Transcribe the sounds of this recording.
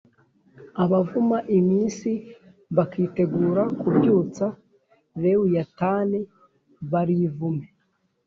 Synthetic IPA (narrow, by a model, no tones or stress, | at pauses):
aβavumaʔimiːnsi | βakiːte̞ɡuːɾakubjuːt͡sa | βewujataːne | βaɾiːvume